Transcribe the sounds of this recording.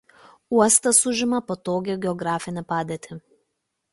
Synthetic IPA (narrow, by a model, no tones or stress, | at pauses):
uɔst̪ɐsʊʒʲɪmɐpot̪oːɡʲoɡʲɛɔɡɾɑːfʲɪnʲɛpɑːd̪ʲeːt̪ʲɪ